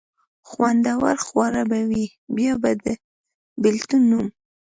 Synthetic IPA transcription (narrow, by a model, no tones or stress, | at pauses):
xwand̪awa̰ɾxwaɾabawi | bjɑbad̪ə | bɪlt̪unːum